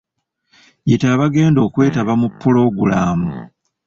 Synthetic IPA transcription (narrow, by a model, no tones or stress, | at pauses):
jitaːβaɡe̞ːndo̞ːkwe̞ːtaβamupːolo̞ɡulaːmu